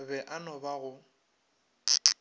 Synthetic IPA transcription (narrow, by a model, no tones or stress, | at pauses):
bɛʔanɔbaɣʊ